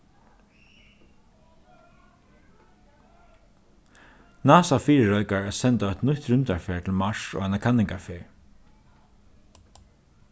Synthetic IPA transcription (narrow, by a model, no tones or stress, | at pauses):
naːsafiːɾəɹɔʏkaɹɛsɛnt̪aœt̪nʊht̪ɾʉnt̪aɹfeːɹt̪ʰɪlmaʂo̰ɣanakʰanːɪŋkafeːɹ